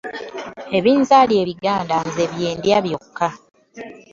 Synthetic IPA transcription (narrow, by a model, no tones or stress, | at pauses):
e̞βiːnzalije̞ːβiɡaːndanze̞βje̞ːndjaβjo̞kːa